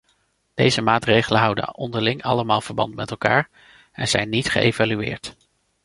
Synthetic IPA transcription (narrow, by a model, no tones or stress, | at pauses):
d̥ejzəmaːtrejχələnɦʌwdə̰ɔndəɹlɪŋɑləmaːlˠv̥əɹbɑ̰ntmɛtɛlˠka̰ːɹ | ɛ̰nzɛjnːitχə̰ḛjvalyɪ̰ːɹt